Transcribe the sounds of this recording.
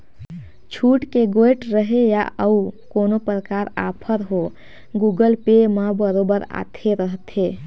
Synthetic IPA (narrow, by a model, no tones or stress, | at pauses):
t͡ʃʰuʈkeɡojʈɾəɦejaəukonopɾəkaɾa̰pʰəɾɦo | ɡuɡəlpemabəɾobəɾa̰t̪ʰeɾəɦt̪ʰe